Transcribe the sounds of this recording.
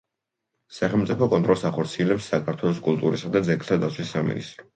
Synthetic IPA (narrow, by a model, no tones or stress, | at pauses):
saχɛlmt̪sʼipʰɔkʼɔnt̪ʼɾɔlˠsaχɔɾt̪sʰiɛlɛpsːakʰaɾt̪ʰwɛlˠɔskʼulˠt̪ʼuɾisad̪ad̪zɛkʰt̪ʰad̪at̪sʰwisːamḭnḭst̪ʼɾɔ